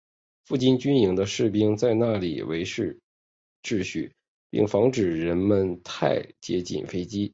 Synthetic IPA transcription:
fu˥˩t͡ɕi˥˩nt͡ɕy˥ni˧˥ŋd̪ə˧ʂɻ̩˥˩pi˥ŋt͡sa˥˧ɪna˥˩lḭ˨˩wḛ˧˥ɪʂɻ̩˥˧ | ʈ͡ʂɻ̩˥˧ɕy̰˥˩ | pḭ˥˩ŋfɑ˧˥ŋʈ͡ʂɻ̩˨˩ɻə˧˥nmə˧nt̪ʰa̰˥˩ɪt͡ɕjɛ̰˧˥t͡ɕḭ˨˩nfe˥ɪt͡ɕi˥

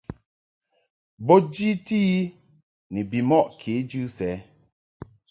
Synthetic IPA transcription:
bɔ˦d͡ʒi˦ti˦ | ni˨bi˨mɔ˦˨ʔkʰe˨˦d͡ʒʉ˦sɛ˨˦

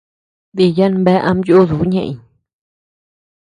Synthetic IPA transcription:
d̪i˧ja˦nmbɛ˦ʔa̰˦mjo˦zu˨˦ɲḛ˧˨ɲ

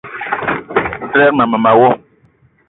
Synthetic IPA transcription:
n̩˨tɾɛː˦k̚na˨mə˨ma˨wɔ˦

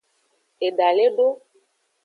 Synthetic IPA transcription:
e˨ɖa˨le˦ɖo˦

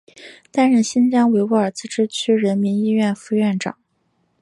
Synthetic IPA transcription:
t̪a˥˧nɻə˥˩nɕi˥nt͡ɕjɑ˥ŋwe˧˥ɪu˧˥ə˞˨˩t͡sɹ̩˥˩ʈ͡ʂɻ̩˥t͡ɕʰy˥ɻə˧˥nmi˧˥ni˥ɥɛ˥˩nfu˧˥ɥɛ˥˩nʈ͡ʂɑ̰˨˩˦ŋ

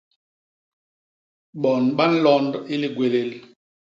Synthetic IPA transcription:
ɓɔ˨nɓa˦n̩˦lɔ˦ndi˦li˨ɡwe˨le˨l

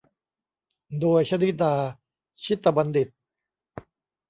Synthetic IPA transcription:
d̪oː˧jt͡ɕʰa˧ni˦˥d̪aː˧ | t͡ɕʰi˦˥t̪ːa˧ba˧ndi˨˩t̪̚

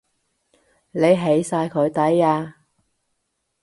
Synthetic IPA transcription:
ne˨˧jɦe˨˥jsaː˧jkʰɵ˨˧ɥt̪ɐ˨˥jaː˧

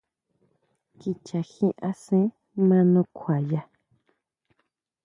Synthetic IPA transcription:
ki˧t͡ʃa˨xĩ˦ʔa˦sĩ˦ | mã˦nũ˧kʰʷa˨ja˧

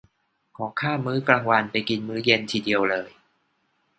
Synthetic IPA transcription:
kʰɔː˩˦ŋkʰaː˥˩mːɯː˦˥klaː˧ŋwa˧npa˧jki˧nmɯː˦˥je˧nt̪ʰiː˧di˧əwlɤː˧j

